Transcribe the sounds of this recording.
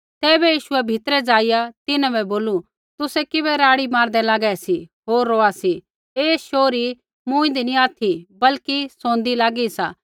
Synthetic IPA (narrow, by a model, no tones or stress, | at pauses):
t̪ɛːbɛjiːʃʊɛbʱɪt̪ɾɛd͡zaːɪjat̪ɪnãbɛboːlu | t̪ʊsɛkɪβɛɾaːɽimaːɾd̪ɛlaːɡɛɛsiɦoːɾːoːasi | eːʃoːɾi | mʊ̃ːɪ̃nd̪inĩaːt̪ʰibɐlkisõːnd̪ilaːɡisaː